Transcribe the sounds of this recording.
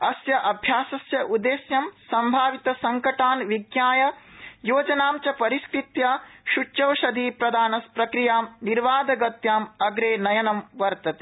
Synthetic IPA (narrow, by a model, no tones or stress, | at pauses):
ɐsjɐʔɐbʱjaːsɐsjɐʔud̪eːsjɐmsɐmbʱaːʋit̪ɐsɐŋkɐʈaːnʋiɡjaːjɐjoːd͡ʒɐnaːmt͡ʃɐpɐɾiskɾit̪jaːʃut͡ʃt͡ʃɐʋʃɐd̪ʱiːpɾɐd̪aːnɐspɾɐkɾijaːmniɾʋaːd̪ʱɐɡɐt̪jaːmɐɡɾeːnɐjɐnɐmʋɐɾt̪ɐt̪e̥